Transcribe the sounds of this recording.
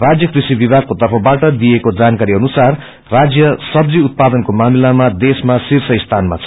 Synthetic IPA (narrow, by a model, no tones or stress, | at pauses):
rad͡zjʌkrisibibʱaɡ̚kot̪ʌrpʰʌbaʈʌd̪ijekod͡zankaɾiʌnusar | rad͡zjʌsʌbd͡ziut̪̚pad̪ʌnkomamilamad̪esmasirsʌist̪ʰanma̰t͡sʰ